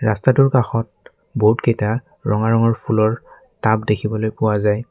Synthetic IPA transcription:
ɹastatʊɹkaxɔt̚ | boɦutketa | ɹɔŋaɹɔŋɔɹpʰulɔɹ | tabdekʰibɔlojpʊwazaj

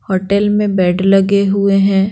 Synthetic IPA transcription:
hoːʈɛlmẽbɛːʈʰlɐɡeɦueɦɛ̃ː

